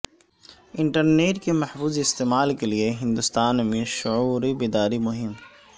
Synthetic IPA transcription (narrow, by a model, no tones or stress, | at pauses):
ɪ̃ɳʈəɾneːʈkemɐhfuːziɪst̪eːmaːlkelieɦɪ̃nd̪ʊst̪aːnmẽʃʊuːɾibɪd̪aːɾimʊɦɪm